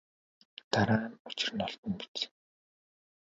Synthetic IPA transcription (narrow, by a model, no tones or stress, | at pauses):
t̪aɾaːnʊ̥t͡ɕɪ̥̆rnɔɬt̪ɞ̆npi̥t͡ɕ